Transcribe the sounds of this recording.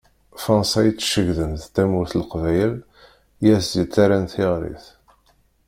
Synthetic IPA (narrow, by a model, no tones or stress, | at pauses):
fɑnsæjt͡sːʃəʝðənθt̪æmʊɾθlqvæjəl | jæzdit͡sːaɾænθɪʁɾḭθ